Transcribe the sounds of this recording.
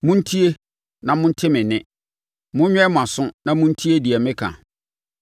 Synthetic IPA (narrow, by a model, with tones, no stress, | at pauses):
mʊ̃˦n̩˦tʰi˦e˦ | nã˨mʊ̃˦n̩˦tʰɪ˦mɪ̃˨nɪ̃˦ | mʊ̃˦ɲᶣɛ˦mʊ̃˨a˨sʊ̃˦nã˦mʊ̃˦n̩˦tʰi˦e˦di˨ɛ˨mɪ̃˦kʰã̰˨